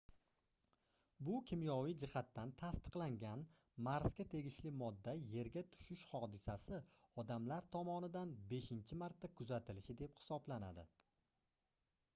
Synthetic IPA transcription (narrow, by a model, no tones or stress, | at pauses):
bʊkʲʰɪmjɒwɪd͡ʒɪhat̪ːant̪ʰast̪ɨ̥qlˠaŋɡʲan | maɾsɡʲat̪ʰe̞ɡʲɪʃlɪmɒd̪ːaje̞ɾɡʲat̪ʰʊ̥ʃɪʃhɒd̪ɪsasɪɒd̪amlaɾt̪ʰɒmɒnɪd̪anbe̞ʃɪnt͡ʃʰɪmaɾt̪ːakʰʊzat̪ʰɪlɪʃɪd̪e̞phɪ̥sɒblana̰d̪ɪ